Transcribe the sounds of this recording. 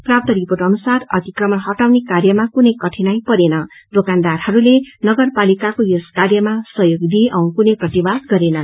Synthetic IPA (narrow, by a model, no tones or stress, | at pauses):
prap̚t̪ʌɾiporʈʌnusarʌ̰t̪ikrʌmʌnɦʌʈawnekarjʌmakunʌjkʌʈʰinajpʌɾenʌ | d̪okand̪arhʌɾulenʌɡʌrpalikakojoskarjʌmasʌɦjoɡd̪iʔʌw̃kunʌjprʌt̪ibad̪ɡʌɾenʌ